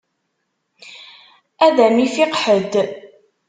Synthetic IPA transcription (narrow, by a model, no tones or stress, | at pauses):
æðæmifɪqħəd̪